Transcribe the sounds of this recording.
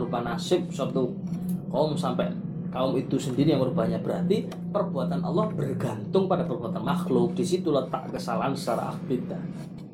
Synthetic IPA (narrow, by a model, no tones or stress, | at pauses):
əɾupanasɪp̚sɔt̪ukaʊmsampɛʔ | kaʊmit̪usəndiɾijaŋməɾubaɲabəɾɦat̪i | pərbuat̪anʔɔ̰lːɔhb̥ərɡant̪ʊŋpadapərbuat̪anmaxlʊk̚d̥isit̪ulət̪a̰ʔkəsalaɦansə̥t͡ʃaɾa̰ʔa̰hb̥it̪a